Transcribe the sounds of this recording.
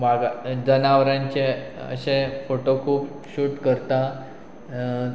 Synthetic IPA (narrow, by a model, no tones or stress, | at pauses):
maɡad͡zənaʋɾãɲt͡ɕeə̰ɕẽfoʈokʰuːp | ɕuːʈkəɾt̪a